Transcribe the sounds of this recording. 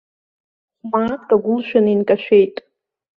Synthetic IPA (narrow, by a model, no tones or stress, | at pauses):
χmaːkʼaɡʷʊlʃᶣaninkʼaʃᶣejtʼ